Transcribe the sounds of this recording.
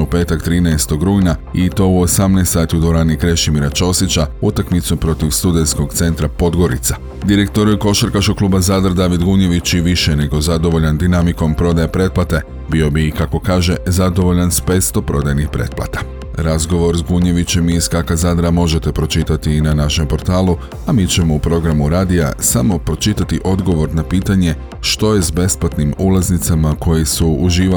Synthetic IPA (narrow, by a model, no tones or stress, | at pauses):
upe̞ːt̪akt̪ɾiːnɛest̪o̞ɡɾuːjnait̪o̞uo̞samnajst̪saːt̪iud̪oɾaːnikɾe̞ʃimiɾat͡ʃo̞sit͡ɕaut̪akmit̪supɾo̞t̪iʋst̪ud̪e̞nsko̞ɡt̪se̞nt̪ɾapo̞d̪ɡo̞ɾḭt̪sa | d̪iɾe̞k̚t̪o̞ɾuuko̞ʃaɾkaʃko̞kluːbazaːd̪ɾd̪aːʋid̪ɡuɲe̞ʋit͡ɕiʋiʃene̞ɡo̞zad̪o̞ʋo̞ʎand̪inamiko̞mpɾo̞d̪ajepɾe̞t̪̚plat̪e̞ | bio̞bikako̞kaːʒe̞zad̪o̞ʋo̞ʎanspet̪st̪o̞pɾo̞d̪ajnixpɾe̞̰t̪plˠa̰t̪ḁ | ɾazɡo̞ʋo̞ɾzɡuɲe̞ʋit͡ɕe̞miːskakazaːd̪ɾamo̞ʒe̞t̪e̞pɾo̞t͡ʃit̪at̪inanaʃe̞mpo̞ɾt̪aːlˠu | amiːt͡ɕe̞mo̞upɾo̞ɡɾamuɾaːd̪ia̰samo̞pɾo̞t͡ʃit̪at̪iʔo̞d̪ɡo̞ʋo̞ɾnapiːt̪aɲe̞ | ʃt̪o̞je̞zbe̞splat̪nimulˠaznit̪samako̞jesuuʒiːʋa